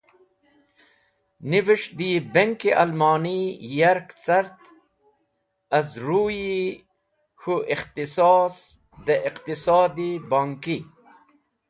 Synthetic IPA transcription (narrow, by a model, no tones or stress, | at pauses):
niviʂd̪ibeŋkiʔalmɑːnijɐɾkt͡sɐɾt̪ | ɐzɾuːji | xuʔixt̪isɑːs | d̪ɐʔiqt̪isɑːd̪ibaːŋki